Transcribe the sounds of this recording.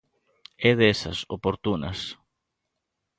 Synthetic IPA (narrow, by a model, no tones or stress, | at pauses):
ɛðɛsɐ̰sopoɾt̪unɐ̰s